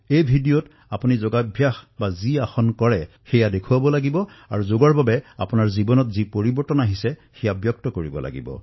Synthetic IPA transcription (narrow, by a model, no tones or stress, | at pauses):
ejbʱidijot | apunizɔɡabʱjaxbaziaxɔnkɔɹɛ | xɛjadekʰuwabɔlaɡibɔ | a̰ɹuzoɡɔɹbabɛa̰punaɹzibɔnɔtzipoɹibɔɹtɔnaɦisɛxɛjabjɔk̚tɔkoɹibɔ̰lʔa̰ɡḭbɔ̰